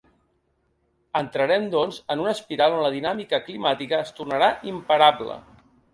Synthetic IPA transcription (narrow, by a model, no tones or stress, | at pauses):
ənt̪ɾəɾɛmd̪ɔnzənunəspiɾalˠonləðinamikəklimat̪ikəːst̪urnəɾaʔimpəɾablə̰